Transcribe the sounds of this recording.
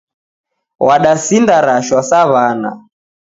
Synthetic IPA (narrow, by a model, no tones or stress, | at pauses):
waɗasindaɾaʃwasaβana̰